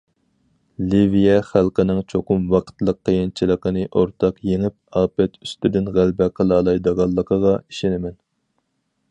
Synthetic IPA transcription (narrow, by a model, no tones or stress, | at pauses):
livijɛχælqənɪŋt͡ʃʰoqʊmwɑqʰə̥t̪lˠəqʰːəjɪnt͡ʃʰilˠəqənɨʔoɾt̪ʰɑqjeŋɪp̚ɑːpɛt̪ʰyst̪yd̪ɪnʁælbɛqʰəlˠɑːlˠɑjd̪ɑʁɑlˠːəqʰəʁɑiʃenɪmɛn